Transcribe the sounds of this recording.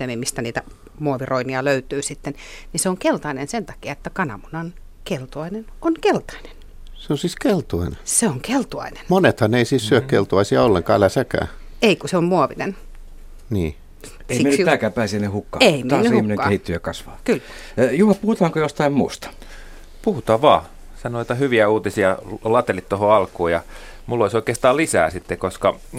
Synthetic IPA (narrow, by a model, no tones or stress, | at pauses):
t̪ːemimist̪æniːt̪æ | muoʋiroiniɑløyt̪yːsit̪ːenniseoŋkelt̪ɑinensent̪ɑ̥kiɑet̪ːækɑnɑ̰munɑn | kelt̪oɑinenonkelt̪ɑ̥ine̥n | seonsiːskelt̪oɑineseoŋkelt̪uɑ̰ine̥nmonet̪hɑneisiːssyøkkelt̪uɑisiɑolːeŋkɑːælæsækæ̰ː | eikuseommuoʋinen | niː | eiimentæːkæːpæːsinehukːɑːeimt̪ɑnːyihiumineŋkɑɑehit̪ːyjækɑsʋɑ̰ːkyl | juhɑpuhut̪ɑːŋkojost̪ɑimmuːst̪ɑ̥ | puhut̪ɑːʋɑː | sɑnoot̪ɑhyʋiæuːt̪isiɑlɑt̪elit̪t̪ohoɑlkuːjɑ | mulːoisoikeːst̪ɑːlisæ̰ːsit̪ːekoskɑ